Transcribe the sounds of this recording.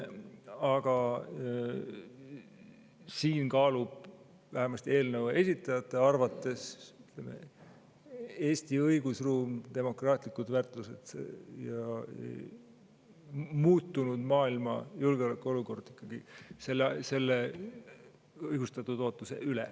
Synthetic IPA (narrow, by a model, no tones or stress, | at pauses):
ɑɡ̥ɑ | siːnkɑːlub̥ | væɦemɑst̪ie̞ːlnəwe̞sʲit̪ːˑɑjɑt̪ːˑe̞ɑrvɑt̪ːˑe̞syt̪le̞mḛ | e̞ːsʲt̪iɤjɡ̥usruːmt̪e̞mo̞krɑːt̪ˑlikːˑud̪vært̪luse̞̰d̪̥jɑ̰ | muːt̪ˑːunud̪̥mɑːilmɑ̰julɡeo̞lekːˑuo̞luko̞rd̪̥ikːˑɑɡ̥ise̞lːse̞lːe | ɯjɡ̥ust̪ɑt̪ːˑud̪̥o̞ːt̪ːˑuse̞̰ʔylḛ